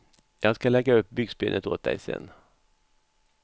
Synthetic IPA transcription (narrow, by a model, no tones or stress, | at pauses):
jɑːɡskalɛɡːaɵp̚ːbʏɡsbɪːnʔət̪o̰ːt̪̚d̪æ̰ɪsɛ̰nː